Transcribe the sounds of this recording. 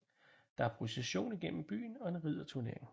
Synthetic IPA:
d̥ɑ̈æɐpʰʁuseɕo̝̰ːniɡ̥en̰m̩b̥y̰ːnɒ̽e̝nʁið̰ˠɐt͡sʰuɐne̝ɐ̰eŋ

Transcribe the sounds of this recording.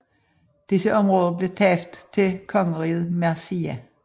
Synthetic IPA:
d̥isəʔɒ̽mʁɔːðˠɐb̥le̝t͡sʰɛfd̥t͡sʰe̝lkʰɒ̽ŋəʁið̩ˠmæsiæ

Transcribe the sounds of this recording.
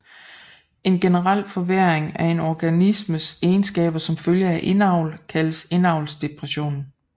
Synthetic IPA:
e̝nɡ̥enəʁal̰fɒ̽ʋeɐ̰eŋæɐe̝nɒɡ̥ænisməseːnsɡ̥ɛ̰ːb̥ɐsɒ̽mføljəæʔe̝nɑ̈ʊ̰lkʰæləse̝nɑ̈ʊlsd̥e̝pʰʁɛɕo̝̰ːn

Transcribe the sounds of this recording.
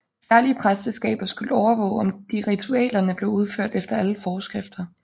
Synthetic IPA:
sæɐliəpʰʁaselsɡ̥ɛ̰ːb̥ɐsɡ̥uləɒʊɐʋɔ̰̽ːʊɒ̽md̥iʁit͡sʰuɛ̰ːlɐnəb̥le̝ʊuð̞ˠføɐ̰d̥efd̥ɐæləfɒːsɡ̥ʁɛfd̥ɐ

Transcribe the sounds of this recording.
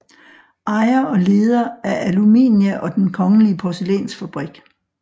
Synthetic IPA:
ʔɑ̈ɪɐɒ̽le̝ːð̞ˠɐæɐʔælumḭːnjæʔɒ̽d̥enkʰɒ̽ŋəliəpʰɒselɛ̰ːnsfæb̥ʁiɡ̥

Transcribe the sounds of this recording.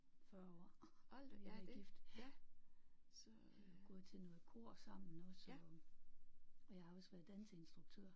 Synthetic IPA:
fɶɐɒ | ɡ̥ifd̥æ | s | ɡ̥ɔðˠt͡sʰenokʰo̝ɐ̰sɑ̈m̰n̩ɔsɒ | ɒjɑhɑ̈ɒsʋæɐðˠd̥ænsensd̥ʁuɡ̥̚t͡sʰøɐ̰

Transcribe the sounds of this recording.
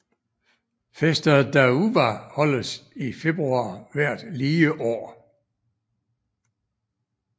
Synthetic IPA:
fesd̥ɐðˠd̥æuʋæhɒ̽lð̩sife̝b̥ʁuɑ̰̈ːʋæɐ̰d̥liːəʔɒ̰ː

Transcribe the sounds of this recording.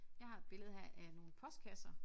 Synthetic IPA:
jɑ̈ɪhɑ̈b̥e̝ləð̞̩ˠɦæɐʔæno̝ːn̩pʰɒ̽sd̥̚kʰæsɐ

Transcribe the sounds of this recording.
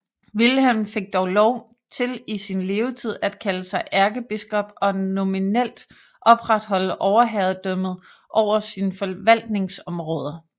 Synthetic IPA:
ʋilhemfe̝ɡ̥̚d̥ɒʊlɒʊ̰ | t͡sʰe̝lisinle̝ːʊt͡sʰið̞̰ˠæd̥kʰæləsɑ̈ɪʔæɐɡ̥əb̥isɡ̥ɒ̽b̥ɒ̽no̝minel̰d̥ | ʔɒ̽b̥ʁad̥ɦɒ̽ləʔɒʊɐɦæðˠd̥œm̰ð̩ˠ | ʔɒʊ̰ɐsinfɒ̽ʋæl̰d̥ne̝ŋsɒ̽mʁɔ̽ːð̞ˠɐ

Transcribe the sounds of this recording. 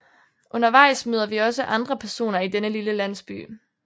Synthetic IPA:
ʔɔ̽nɐʋɑ̈ɪ̰smøːð̞ˠɐʋiɒ̽səʔɑ̈nd̥ʁɐpʰæɐso̝̰ːnɐid̥enəliləlæn̰sb̥y̰ː

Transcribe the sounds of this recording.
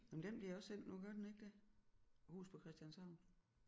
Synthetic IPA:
memd̥emb̥liɐɒ̽senl̰nuɡ̥ɶɐd̥ene̝ɡ̥d̥e | hṵːspʰɒ̽kʰʁɛsd̥jænsɑ̈ʊn

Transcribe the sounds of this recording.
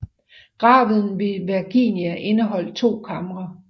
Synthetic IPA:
ɡ̥ʁɑ̈ːʋð̩ˠn̩ʋe̝ʋiɐɡ̥iːnjæʔe̝nəɦɒ̽l̰d̥̚t͡sʰo̝̰ːkʰɑmɐʁɑ

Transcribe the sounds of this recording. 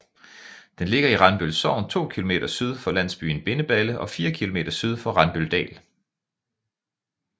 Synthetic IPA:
d̥enle̝ɡ̥ɐiʁɑ̈nb̥ølsɒʊnt͡sʰo̝̰ːkʰilo̝mḛːɾ̥ɐsyð̞ˠfɒ̽læn̰sb̥y̰ːn̩b̥e̝nəb̥æləʔɒ̽fiːɐkʰilo̝me̝̰ːd̥ɐsyð̞ˠfɒ̽ʁɑ̈nb̥øld̥ɛ̰ːl

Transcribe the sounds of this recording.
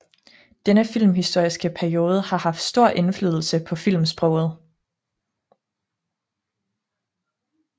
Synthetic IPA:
d̥enəfil̰mɦisd̥o̝ɐ̰isɡ̥əpʰæɐio̝ːð̞ˠəhɑ̈hɑ̈fd̥sd̥o̝ɐ̰ʔe̝nfly̰ːðˠl̩səpʰɒ̽fil̰msb̥ʁɔʊ̰ð̞̩ˠ

